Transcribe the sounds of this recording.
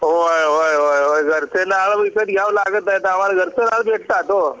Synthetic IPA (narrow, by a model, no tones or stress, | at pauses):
ɦojɦojɦojɦojɡʱəɾsenaɭʋised̪ɡjãʋlaɡət̪aet̪aəmaɾaɡʱəɾsenaɭbeʈʰt̪at̪o